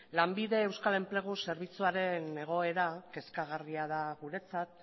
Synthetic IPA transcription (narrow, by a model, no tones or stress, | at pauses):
lambiðe̞ːwskale̞mple̞ɣ̞use̞ɾβit͡suaɾe̞ne̞ɣ̞o̞e̞ɾake̞skaɣ̞ariað̞aɣuɾe̞t͡sat̪̚